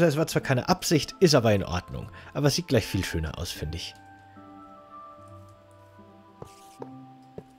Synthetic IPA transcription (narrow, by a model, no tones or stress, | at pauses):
zoɛsv̥aːɐt͡sv̥aːkʰaɪnə̰ʔapz̥ɪçtɪstʔaːbɐɪnʔɔ̰ɐdnʊ̰ŋʔaːbɐɛsz̥iːt̚ɡ̥laɪçfiːlʃøːnɐ̰ʔa̰ʊsfɪndɪç